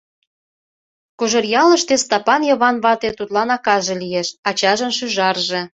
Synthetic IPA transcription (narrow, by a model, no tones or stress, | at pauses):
kuʒə̆rjɑləʃt̪est̪ɑpɑnjɤβɑnβɑt̪et̪ut̪lɑnɑkɑʒelijeʃɑt͡ɕɑʒə̆nʃyʒɑrʒe